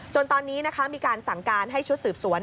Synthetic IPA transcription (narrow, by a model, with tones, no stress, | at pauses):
t͡ɕo˧nt̪ɔː˧nːiː˦˥na˦˥kʰa˦˥miː˧kaː˧nsa˨˩ŋkaː˧nɦa˥˩jt͡ɕʰu˦˥t̪̚sɯː˨˩p̚su˨˩˦ən